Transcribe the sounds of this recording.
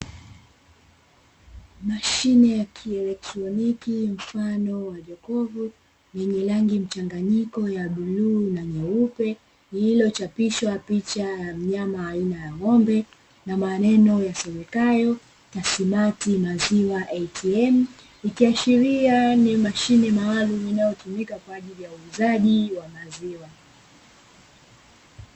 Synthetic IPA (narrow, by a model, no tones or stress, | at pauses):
maʃinɛjakʰiɛlɛk̚tɾɔnikim̩fanɔwaʄɔkɔvu | nɛɲɛlaŋɡim̩t͡ʃaŋɡaɲikɔjaɓuluːnaɲɛupɛ | ilɔt͡ʃapiʃwapit͡ʃajam̩ɲamaːinajaŋɔmbɛ | namanɛnɔjasɛwɛkajɔ | kasimatimaziwaʔɛtʰiɛm̩ | ikiaʃiɾianimaʃinɛmaːluminajɔtumikakwaːʄilijauːzaʄiwamaziwa